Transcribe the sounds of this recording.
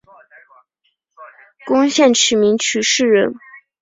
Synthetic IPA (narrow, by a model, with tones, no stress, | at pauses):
kʊ˥ŋɕjɛ˥˩nt͡ɕʰy˧˥mi˧˥ŋt͡ɕʰy˧˥ʂɻ̩˥˩ɻə˧˥n